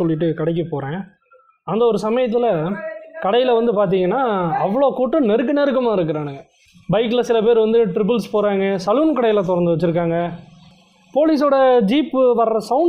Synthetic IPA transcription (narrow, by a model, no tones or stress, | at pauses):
ɔlːɪʈːɯkɐɽɐɪk̬ːɐpoːɾẽ | ɐnd̪ɐɔɾɯsɐmɐjɐt̪̬ːɪlɐkɐɽɐjɪlɐʋɐnd̪ɯpaːɾt̪̬iːŋɡɐnːaːɐʋːɐɭoːkuːʈːɯ̃nɛɾɯk̬ːɯnɛɾɯk̬ːɐmaːɪɾɯk̬ːɯɾaːnɯŋɡɐ | bɐɪkːɯlɐsɪlɐpeːɾʋɐnd̪ɯʈɾɪbɯlspoːɾaːŋɡɐsɐluːmkɐɽɐjɪlɐt̪ɔɾɐnd̪ɯʋɐt͡ʃːɯɾɯk̬ːaːŋɡɐ | poːliːs̬oːɽɐd͡ʒiːpʋɐɾɾɐsɐʊ